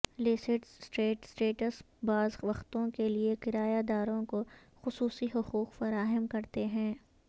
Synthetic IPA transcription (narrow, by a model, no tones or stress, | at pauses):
lɪsɪʈsʈeːʈsʈeːʈəs | baːzʋɐxt̪õkeliekɪɾaːjad̪aːɾõko | xʊsuːsiɦʊquːqfɐɾaːɦəmkɐɾt̪eɦɛ̃ː